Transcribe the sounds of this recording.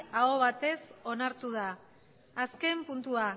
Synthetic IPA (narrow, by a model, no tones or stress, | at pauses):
aoβ̞at̪e̞so̞naɾt̪uð̞aː | ske̞mpunt̪ua